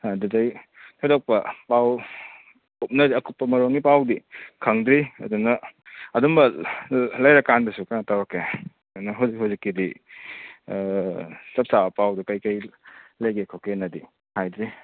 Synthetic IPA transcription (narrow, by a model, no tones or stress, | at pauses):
didajtʰɔdɔk̚pɐpaw | up̚nɐdiɐkupːɐmɐɾoŋɡipawdikʰɐŋdɾiɐ̰dunɐɐdumbɐ | lajɾɐkandɐsukajnɐtawɾakʰːeɐdunɐɦuzikɦhuzikːidi | sɐp̚sabɐpawdikɐjkɐjlɐjɡekʰokenɐdi | hajdɾi